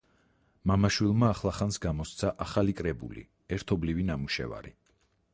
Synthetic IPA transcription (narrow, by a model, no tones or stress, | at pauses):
mamaʃwilˠmaːχlˠaχansɡamɔst̪sʰaʔaχalikʼɾɛbṵlḭ | ɛɾt̪ʰɔblivinamuʃɛ̰va̰ɾi